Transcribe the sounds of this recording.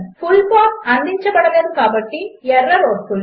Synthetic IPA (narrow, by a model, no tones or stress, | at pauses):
fulpaːʈɐnd̪ʱiɲt͡ʃɐbɐɽɐlɐðukaːbɐʈːiɛrːɐɾoːɖful